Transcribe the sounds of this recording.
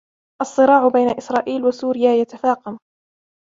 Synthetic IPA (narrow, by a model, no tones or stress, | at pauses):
ʔɑsˤːɨɾɑːʕʊbajnaʔɪsɾˤɑːʔiːlwasuːɾɪjaːjat̪afaːqɑm